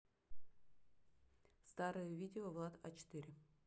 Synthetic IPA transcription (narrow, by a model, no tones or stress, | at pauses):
st̪aɾɨjəvʲidʲɪovlˠat̪a̰t͡ɕɪ̥t̪ɨɾʲɪ